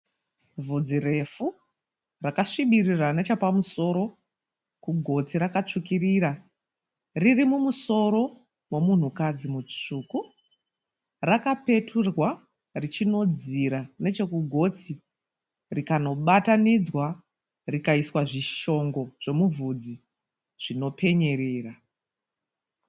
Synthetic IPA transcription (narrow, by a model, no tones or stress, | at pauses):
vʱud͡zire̞fu | rakaʂiɓiriranet͡ʃapamuso̞ːɾo̞ | kuɡʱo̞t͡siɾakat͡ʂukiriːɾa | ririmumuso̞ɾo̞ | we̞mun̤ukad͡zimut͡ʂuːku | rakape̞tʰurwa | rit͡ʃino̞d͡ziɾane̞t͡ʃe̞kuɡʱo̞t͡si | rikano̞ɓatanid͡zwa | rikaiswaʐiʃo̞ŋɡo̞ʐ̥e̞muvʱud͡zi | ʐ̥ino̞pe̞ɲe̞ɾeːra